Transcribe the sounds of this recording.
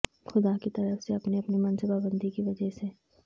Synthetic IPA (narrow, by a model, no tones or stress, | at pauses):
xʊd̪akit̪ɐɾəfseɐpneɐpnimɐnspaːbə̃nd̪ʱikiʋɐd͡ʒɛɦse